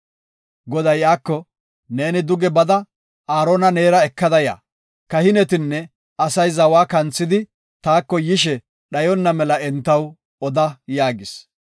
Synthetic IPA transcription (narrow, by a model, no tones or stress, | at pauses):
ɡɔd̪ɐjʔaːkːɔ | ne̞ːnɪd̪ʊɡɛbɐd̪ɐ | ʔaːɾonɐne̞ːɾɐɛkːɐd̪ɐja̰ː | kɐhɪnɛt̪ɪnːɛ | ɐsɐjzɐwaːkɐnt͡sːɪd̪ɪ | t̪aːkːɔjɪʃ̬ɛ | ɗɐjɔnːɐmɛlɐɛnt̪ːɐw | ɔd̪ɐjaːɡɪs